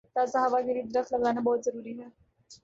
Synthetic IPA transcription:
t̪asɐɦaːʋaɡɪɾiːd̪ɾəxt̪lɐɡaːnabɔːt̪zɐɾuːɾiɦɛː

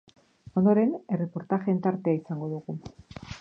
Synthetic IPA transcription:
o̞nd̪o̞ɾe̞ne̞re̞po̞ɾt̪aʝent̪aɾt̪eaisaŋɡo̞ðuɣu

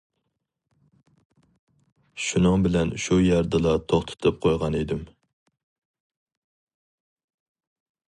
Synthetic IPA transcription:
ʃunɨŋbɪlɛnʃujɛɾd̪ɨlˠɑt̪ʰoχt̪ʰɨ̥t̪ʰɨp̚qʰojʁɑned̪ɪm

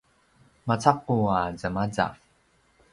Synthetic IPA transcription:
mat͡saqːuazamad͡za̰

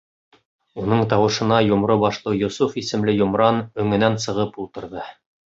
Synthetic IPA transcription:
unɤɴt̪ɑwɤ̆ʃɤ̆nɑjŏmɾobɑʃlˠɤjŏsufisɘ̆mlɘjŏmɾɑnɵ̆ŋɘ̆nænsɤ̆ʁɤpulˠt̪ɤ̆ɾðɤ

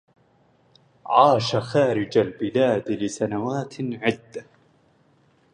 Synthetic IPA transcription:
ʕɑːʃaxaːɾɪd͡ʒalbɪlaːd̪lɪsanawaːt̪ʕɪd̪ːa

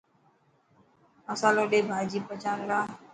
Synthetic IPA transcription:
məsaːloːɗeːbʱaːid͡ʒiːpət͡ʃaːnɾaː

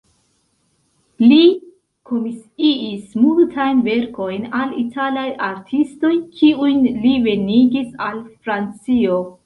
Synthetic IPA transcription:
li | kʰomisiːsmultʰajnve̞ɾko̞jnalitʰalajʔaɾtʰisto̞jkʰiujnlive̞niɡisalfɾant͡sio̞

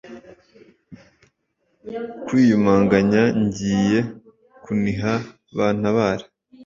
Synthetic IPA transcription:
kwiːjumaːŋɡaɲaɲɟiːje̞ | kuniɦa | βaːn̥aβaːɾe̥

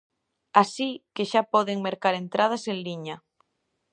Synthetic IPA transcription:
asikeʃapɔðeŋmeɾkaɾent̪ɾʔað̞asenliɲa

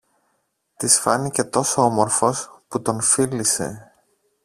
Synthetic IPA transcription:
t̪isfɐnice̞t̪o̞soomo̞ɾfo̞sput̪o̞nfilise̞̰

